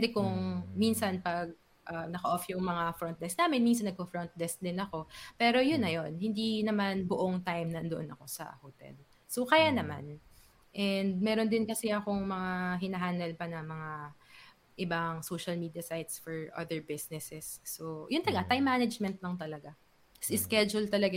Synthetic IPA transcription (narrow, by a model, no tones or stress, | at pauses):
pɛd̪ɛkʊŋminsɐnpɐɡ̚ | ʔɐnɐkɐʔofjʊŋmɐŋafɾɔnt̪̚ɛsnaːmɪnmins̬ɐnɐɡ̚fofɹont̪̚d̪ɛsd̪ɪnɐko̞pɛːɾo̞jʊnːɐjo̞nhɪnd̪inɐmanbʊʔoŋt̪ajmnɐnd̪oʔonɐko̞sɐ̰hot̪ɛ̰l | sokɐjanɐma̰n | ʔɛnd̪̚mɛːɾo̞nd̪ɪnkɐsɛʔɐko̞ŋmɐŋaɦɪnɐɦaːnd̪ɛlpɐnɐmɐŋa | ʔɪbaŋsoʃɐlmiːd̪ijɐsajt̪sfɔɹʔɐ̰ðɛɹbɪsnɛsɛsːojʊnɐlɐɡat̪ajmːanɐd͡ʒmɛnt̪̚lɐŋt̪ɐlɐɡa | sɪskɛd͡ʒʊlt̪ɐlɐɡa